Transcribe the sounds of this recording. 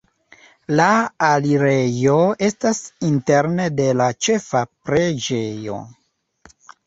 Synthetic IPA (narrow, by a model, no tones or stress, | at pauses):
laːliɾe̞jo̞e̞stasinte̞ɾne̞de̞lat͡ʃe̞fapɾed͡ʒe̞jo̞̰